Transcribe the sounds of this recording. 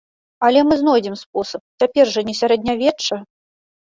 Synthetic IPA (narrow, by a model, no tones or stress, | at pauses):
ɐlʲɛmɨznɔjd͡zʲɛmsp̚ɔsɐp̚t͡sʲapʲɛrʐɐnʲɛsʲaɾɛd̪ʲnʲavʲɛːɐ